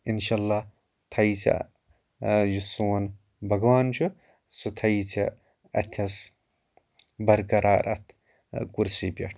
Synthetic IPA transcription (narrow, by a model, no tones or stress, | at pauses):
inʃalːa | t̪ʰɐjt͡sʲɐ̰ | jusuwɐn | bɐɡwaːnt͡ʃʰu | sut̪ʰɐjt͡sʰɐ | ɐ̰t̪ʲʰɐs | bɐɾkɐɾaːɾʔɐ̰t̪ʰ | kuɾsibʲɐ̰ʈ